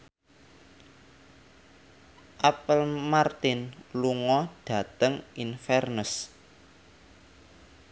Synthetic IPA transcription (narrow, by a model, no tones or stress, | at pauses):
ʔapəlmart̪ɪnluŋɔɖ̥ä̤t̪əŋinfɛrnəs